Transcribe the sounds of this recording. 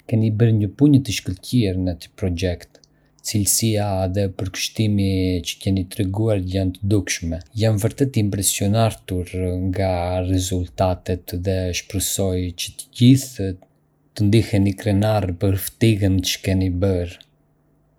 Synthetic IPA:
kɛnibəɾɲəpuɲət̪əʃkəlciɛɾnət̪i̥pɾɔɟɛkt̪ | t͡silsiaðɛpəɾkə̥ʃt̪imit͡ʃə̥kɛnit̪ɾɛɡuaɾjant̪əd̪ukʃmɛjanvəɾt̪ɛt̪impɾɛsiɔnaɾt̪uɾŋɡarɛzult̪at̪ɛt̪ðɛʃpɾəsɔjt͡ʃət̪əɟiθ | t̪ənd̪ihɛnikɾɛnarpəɾft̪iɣənt͡ʃə̥kɛnibəɾ

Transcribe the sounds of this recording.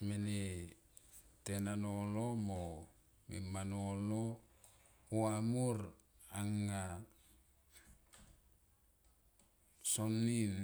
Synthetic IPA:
mene | tenanolomo | mḭmanolo | uamuɾ | aŋːa | sonːin

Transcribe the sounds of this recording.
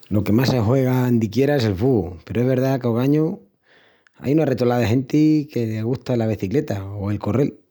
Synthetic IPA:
lo̞ke̞masexwe̞ɣaend̪ikje̞ɾaese̞lfupe̞ɾoeβe̞ɾðakeoɣ̞aɲu | a̰junaret̪olaðexe̞nt̪ike̞leɣuht̪alaβeθikle̞t̪aoe̞lkore̞l

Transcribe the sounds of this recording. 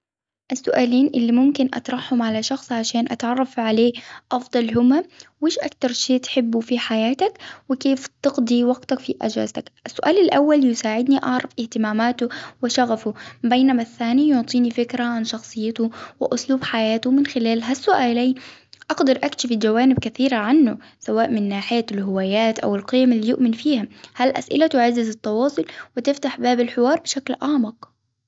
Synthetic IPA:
ʔasːʊʔaːliːnʔɪlːimʊmkɪnʔɑ̰t̪ɾˤɑħhʊmʕalaʃɑxsˤʕaʃaːnʔat̪ʕɑrˤːɑfʕaleːʔɑfd̪ˤɑlɦʊmːawɪːʃʔa̰kt̪ɑɾˤʃeːt̪ħɪbːufiħajaːt̪akwɪkeːft̪ɪɡd̪ˤiwɑɡt̪akfiʔa̰d͡ʒa̰ːzt̪akʔasːʊʔaːlalʔawːaljɪsaːʕɪd̪niʔɑʕɾˤɑfʔɪht̪ɪmaːmaːt̪ʊwɪʃaɣafʊbejnamaθːaːnijʊʕt̪ˤiːnifɪkɾaʕanʃɑxsˤɨjːɪt̪ʊwɪʔʊsluːbħajaːt̪ʊmɪnxɪlaːlɦasːʊʔaːlaːʔɑɡd̪ɑɾˤʔakʃɪfɪd͡ʒawaːnɪb̚kaθiːɾaʕanːʊ | sawaːʔmɪnːaːħɪjalɦʊwaːjaːt̪ʔa̰wɪlqijamalːiːjʊʔmɪnfiːhamhalʔa̰sʔɪ̰lat̪ʊʕazːɪzɪt̪ːɑwɑːsˤʊlwɪt̪ɪft̪aħbaːbalħɪwɑːɾˤbɪʃaklʔaːmɪq

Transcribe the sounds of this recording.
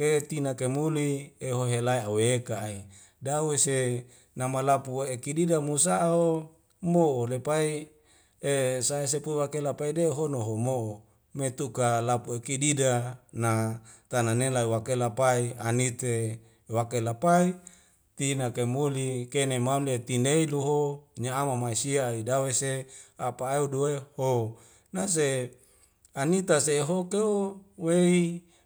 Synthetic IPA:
ket̪inakemulieɦoɦelaiaweːkaːi | dawese | namalapuekididamusaːo | moʔolepai | esaes̬epuiwakelapaideɦonoɦomoʔo | met̪ukalapuekididanat̪ananelaiwakelapaianit̪e | wakelapai | t̪inakemulikenemaulet̪ineiluɦoɲaːmamaisiaidaweseapaeuduweho | nas̬e | anit̪aseːɦokeuwei

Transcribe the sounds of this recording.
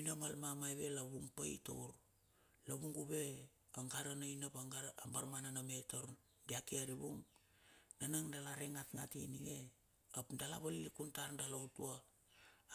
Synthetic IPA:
inamalmamajβe̞laβuŋpa̰jto̰wɾ | laβuŋɡuβe̞ | aŋɡaɾanainapaɡmbaɾmananametoɾ | diakiaɾiβuŋ | nanaŋdalaɾeŋatŋatiniŋe | apdalaβalilikuntaɾdalowtua

